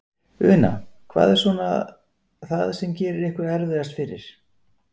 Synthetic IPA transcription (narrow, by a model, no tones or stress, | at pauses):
ʏ̰ːna̰kʰva̰ːðɛɾsvɔna | θaðsɛmcɛːɾʏɾɪhkvɪɾɛɾðʏast̪fɪɾɪ̰ɾ̥